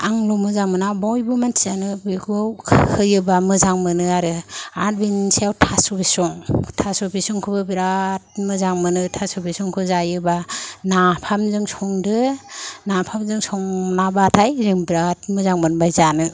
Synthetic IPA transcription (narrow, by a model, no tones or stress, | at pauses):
aŋlumɯzaŋmɯnabɔjbɯmantʰianɯbiɡawkʰɯjɯbamɯzaŋmɯnɯaɾɯat̚binsejawtʰasɔbisɔŋtʰasubisɔŋkʰɯbɯbiɾat̚mɯzaŋmɯnɯtʰasubisɔŋkʰɯzajɯbanapʰamzɯŋsɔŋdɯnapʰamzɯŋsɔŋnabatʰajzɯŋbiɾat̚mɯzaŋmɯnbajzanɯ